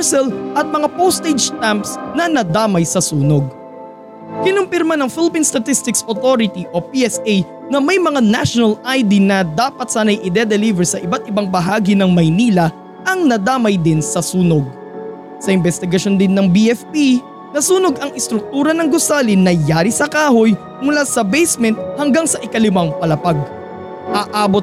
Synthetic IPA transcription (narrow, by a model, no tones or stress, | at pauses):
ɛsɛlʔɐt̪̚mɐŋapowst̪ejd͡ʒt̪ampsnɐnɐd̪aːmɐjsɐsuːnoɡ̚ | kɪnʊmpɪɾmanɐŋfɪlɪpinst̪ɐt̪ist̪ɪksot̪oɾɪt̪iʔo̞piʔɛsej | nɐmɐjmɐŋanaʃonɐlajd̪inɐd̪aːpɐt̪saːnɐjʔɪd̪ɛd̪ɛlivɛɹsɐʔɪbat̪̚ɪbaŋbɐɦaːɡinɐŋmɐjniːlɐ | ʔɐŋnɐd̪aːmɐjd̪ɪnsɐsuːnoɡ̚ | sɐʔɪmbɛst̪ɪɡɐʃo̞nd̪ɪnːɐŋbiʔɛfpi | nɐsuːno̞ɡɐŋʔɪst̪ɾʊk̚t̪uːɾɐnɐŋɡosaːlinːɐjaːɾisɐkaːho̞j | mʊlaːsɐbɛjsmɛnt̪̚hɐŋɡaŋsɐʔɪkɐlɪmaŋpɐlɐpaɡ̚ | ʔaʔaːbot̪